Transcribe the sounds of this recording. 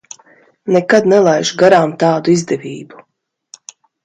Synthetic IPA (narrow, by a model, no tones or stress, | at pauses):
nekad̪nɛlˠajʒuɡaɾaːmt̪aːd̪uizd̪ɛvʲiːbu